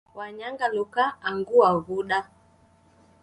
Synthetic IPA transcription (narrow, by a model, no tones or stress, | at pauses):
waɲaŋɡalukaːŋɡuaɣuɗa